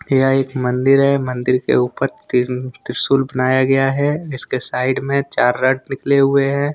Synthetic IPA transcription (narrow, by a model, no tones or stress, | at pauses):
jaeːkmɐ̃nd̪ɪɾɦɛmɐ̃nd̪ɪɾkḛuːpəɾtt̪ɪɾsuːlbɐnaːjaɡɐjaɦɛɪskesaːɪɖmẽt͡ʃaːɾːəɖnɪkleɦʊeɦɛ̃ː